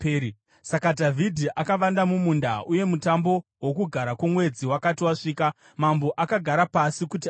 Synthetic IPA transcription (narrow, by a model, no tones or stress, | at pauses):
i | sakadʱavʱidʱiʔakaʋandamumunda̰ʔuje̞mutambo̞ | wokuɡʱaɾakwumwe̞d͡ziwakatiwaʂiːka | mamboʔakaɡʱaɾapasikuti